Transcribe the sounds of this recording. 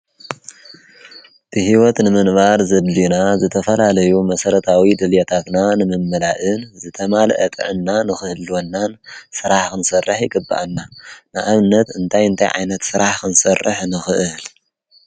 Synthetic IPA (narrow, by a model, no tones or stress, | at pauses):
t̪ʰɨhiwɔt̪nɨmɨnβaɾzɐd̪linazɨt̪ʰɐfɐlalɐjumɐsɐɾɐt̪ʰawid̪ɨljɛt̪ʰat̪nanɨmɨmːɐlaʔɨnzɨt̪ʰɐmalʔɐt̪ʼɨ̰ʕɨnːanɨxɨhɨlonːansɨɾaħkɨnsɐrːɨħjɪɡɨbːa̰ʔanːanɨʔaβnɐt̪ɨnt̪ʰajɨnt̪ʰa̰jʕa̰jnɐt̪sɨɾaħkɨnsɐrːɨ̰ħnɨxɨʔɨl